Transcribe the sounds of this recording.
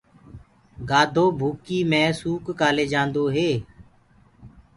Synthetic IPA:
ɡaːd̪ʱoːbʱuːkiːmẽːsuːkːaːleːd͡ʒãːnd̪oːɦeː

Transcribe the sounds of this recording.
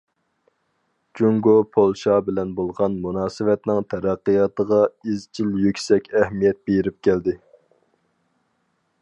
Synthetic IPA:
d͡ʒuŋɡopʰolˠʃɑbɪlɛnbolˠʁɑnmunɑːsɨwɛt̪nɪŋt̪ʰɛɾæqːijɑt̪əʁɑizt͡ʃʰiljøkʲsɛkʲɛhmijɛt̪̚beɾɪp̚kʲæld̪ɪ

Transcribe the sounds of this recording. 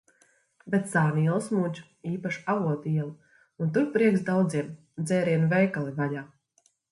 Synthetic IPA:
bɛt̪saːniɛlˠsmud͡ʒu̥ | iːpaʃavuɔt̪iɛlˠu | unt̪uɾpɾiɛksd̪awd̪ziɛm | d̪zɛːɾiɛnvɛjkalˠivajaː

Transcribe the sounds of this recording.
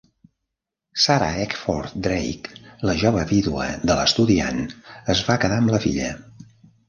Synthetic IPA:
saɾa̰ɛkfɔ̰ɾt̪d̪ɾḛjkləʒɔβəβiðuə̰d̪ələst̪uðia̰nəzβakəðaəmləfḭʎə̰

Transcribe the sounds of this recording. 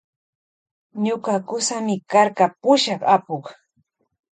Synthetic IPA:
ɲʊkakʊsamɪkaɾkapʊʃɑχapoχ

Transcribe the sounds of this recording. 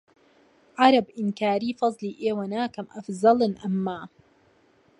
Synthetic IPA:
ʕɑɾɑbʔɪnkaːɾiːfɑzˤliːʔeːwɐnaːkɐmʔɐfzɑlɨnʔɐmːaː

